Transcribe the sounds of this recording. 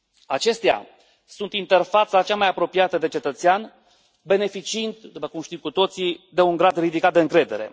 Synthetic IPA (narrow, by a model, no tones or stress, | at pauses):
at͡ʃe̞st̪ea̰ | sunt̪int̪e̞rfat̪sat͡ʃamajapɾo̞piat̪əd̪e̞t͡ʃe̞t̪ət̪sean | be̞ne̞fit͡ʃiint̪d̪upəkumʃt̪imkut̪o̞t̪sid̪e̞uŋɡɾad̪rid̪ikat̪̚d̪e̞ɨŋkɾe̞d̪e̞ɾe̞̰